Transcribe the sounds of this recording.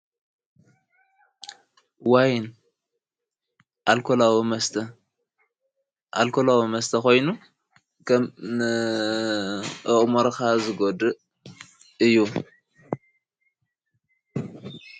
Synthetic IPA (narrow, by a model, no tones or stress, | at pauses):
wajn | ʔalkʰolawimɐst̪ʰɐ | ʔalkʰolawimɐst̪ʰɐko̞jnu | kʰɐmnɨ | ʔɨχʼmoɾkazɨɡod̪ɨʔ | ɨjːu